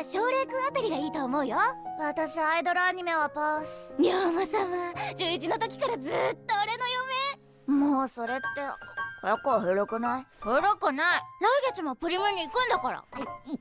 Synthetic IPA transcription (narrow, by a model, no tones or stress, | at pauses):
ɕo̞ːɾe̞kɯ̟̃at̪aɾʲiɡaiːt̪oːmo̞ɯ̟joβat̪aɕiaaid̪o̞ɾoaɲ̟ime̞βapasɨ̥ɲʲiomasamad͡ʑɨːit͡ɕino̞t̪o̞kʲi̥kaɾazɨt̪ːoːɾe̞no̞jome̞ | moːso̞ɾe̞t̪ːe̞kojakːohɯɾokɯ̟naihɯːɾokɯ̟naiɾaiɡʲet͡simo̞pɯ̟ɾʲimɯ̟ɲ̟iːkɯ̟̃nd̪akaɾa̰